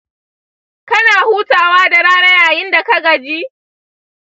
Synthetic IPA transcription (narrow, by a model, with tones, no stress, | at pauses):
kɐ˦naː˨huː˦taː˨waː˦da˨ɽaː˦nɐ˦jaː˨jɪ˦nda˨kɐ˦ɡɐ˨d͡ʒiː˦